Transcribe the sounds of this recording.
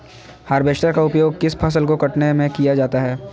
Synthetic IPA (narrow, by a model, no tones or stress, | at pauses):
haːɾbeːʃt̪akaʊpjoːɡ̚kɪspʰɐːs̬əlkokɐʈnemẽkijad͡ʒaːt̪aɦɛː